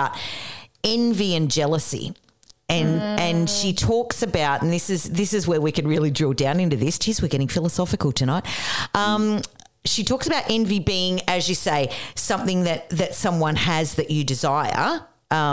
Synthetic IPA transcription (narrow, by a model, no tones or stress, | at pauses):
ʊɾ | ɛ̃nviɨ̃nd͡ʒɛlˠəsḭ | ɨ̃nʔɨ̃nʃitʰɔksɨbaʊɾn̩ðɪsɨzðɪsɨzwə˞wikɨ̃nɹɪlˠidɹɔdãʊ̃nɪ̃ntʉðɪst͡ʃʰizwɨ˞ɡɛɾɪ̃ŋfɪlˠəsɑfɨkl̩ˠtʰɨnaɪt̚ʔʌ̃m | ʃitʰɔksəbaʊɾʔɛ̃nvibiɪ̃ŋɨzjɨseɪsʌ̃mθɪ̃ŋðɨt̪̚ðɨtsʌ̃mwʌ̃nɨzðɨt͡ʃɨdɨzaɪə̰˞ | ʔʌ̃